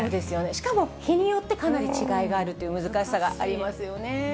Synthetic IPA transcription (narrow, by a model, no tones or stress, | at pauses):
oːd̪e̞sɨjo̞ne̞ɕi̥kamo̞çiɲ̟ijo̞t̪ːe̞kanaɾʲit͡ɕiɡaiɡaːɾɯ̟t̪ːo̞jɯ̟mɯ̟zɨkaɕi̥saɡa̰ʔaɾʲimasɨjo̞ne̞